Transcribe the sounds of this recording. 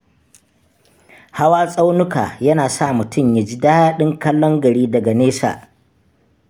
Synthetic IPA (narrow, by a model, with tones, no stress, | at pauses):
ha˦waː˦sʼa˦wnʊ˦ka̰ː˨jɐ˦naː˨sa˦˨mʊ˨tʊ˦˨mja˦d͡ʒiː˦daː˦jaː˦ɗɪ˦ŋkɐ˦lːɔ˦ŋɡɐ˨ɽiː˦dɐ˨ɡa˨neː˦sa̰ː˨ʔ